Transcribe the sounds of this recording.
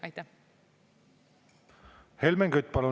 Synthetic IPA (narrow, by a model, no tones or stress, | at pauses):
ɑjt̪ːæ | helmeŋɡyt̪̚ːˑpɑlu